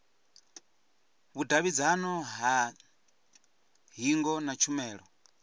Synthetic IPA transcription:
βudaβid͡zanɔɦa | ɦiŋɡɔnat͡ʃʰumɛːɺɔ

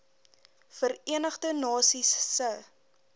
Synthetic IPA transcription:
fəriənəχdənɑːsisːə

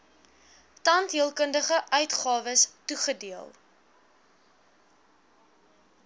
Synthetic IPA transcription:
tɐntɦiəlˠkəndəχəʔœɥtχɑːvəstuχədiəlˠ

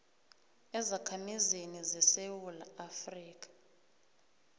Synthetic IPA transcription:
ɛzakʰamizenizɛsewula̰afriːk̬ʼḁ

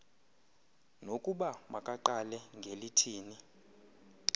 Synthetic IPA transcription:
nokʼuɓamakʼaǃalɛŋɡʱelitʰiːni

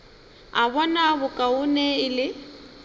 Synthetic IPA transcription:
aβɔnabʊkʼaʊnɛɪlɪ

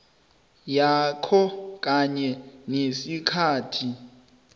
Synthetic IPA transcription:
jakʰɔk̬ʼaɲɛnesikʰaːtʰi

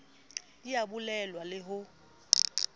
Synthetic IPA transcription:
ijabulɛlwalɪɦʊ

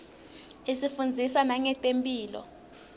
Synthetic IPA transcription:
esifund͡zʱisanaŋɛtʼempʼiːlɔ̰

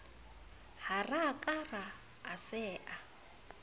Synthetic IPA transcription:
harakʼaraː | sɛːʔa

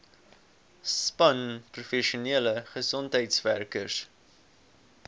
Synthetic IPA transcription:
spɐnprufɛʃuniələχəsɔntɦəjtsværkərs

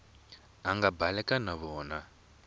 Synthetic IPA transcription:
aŋɡabalɛkanaβɔːna

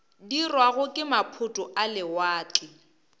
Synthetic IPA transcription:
dirwaɣʊkʼɪmapʰʊtʼʊʔalɪwaːt͡ɬʼɪ

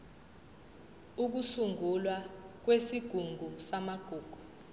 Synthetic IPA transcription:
uk̬usuŋulwak̬wesiɡ̥ʱuŋɡʱusamaɡ̥ʱuːɡ̥ʱu̥

